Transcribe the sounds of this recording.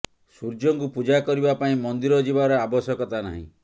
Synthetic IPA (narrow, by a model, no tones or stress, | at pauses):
suɾd͡ʒɔŋkupud͡ʒakɔɾibapaĩmɔnd̪iɾɔd͡ʒibaɾɔabɔsjɔkɔt̪ana̰ɦḭ̃